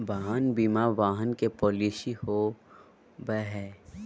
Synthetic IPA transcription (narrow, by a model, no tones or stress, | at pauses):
baɦaːnbiːmaʋaːɦənkepɔːliːsiho | bɛɦɛː